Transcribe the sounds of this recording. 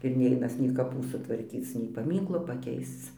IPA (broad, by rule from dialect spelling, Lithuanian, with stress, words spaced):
ɪr ˈnʲɛɪnɐs nʲɛɪ kɐˈpuː sʊtʋɐrʲˈkʲiːt͡s nʲɛɪ pɐˈmʲiːŋklˠoː pɐˈkʲɛɪst͡s